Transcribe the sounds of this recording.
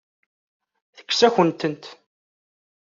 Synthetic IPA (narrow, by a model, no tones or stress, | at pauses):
θə̥kːsæçənt̪ənt̪